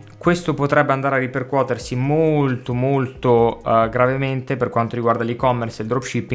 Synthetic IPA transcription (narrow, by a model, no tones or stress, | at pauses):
kwest̪opot̪ɾɛbːeand̪aɾearːiperkwɔːt̪ersimolt̪omolt̪oɡɾavement̪eperkwant̪oɾiɡward̪alikɔmːerseld̪ɾɔpʃipːi